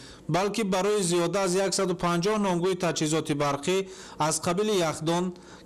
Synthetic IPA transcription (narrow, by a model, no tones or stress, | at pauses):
balkibaɾɔiziɔd̪aːzjaksad̪upʰãnd͡ʒɔhnɔŋɡuit̪ʰad͡ʒhizɔt̪ʰibaɾqʰi | azqʰabilijaχd̪ɔn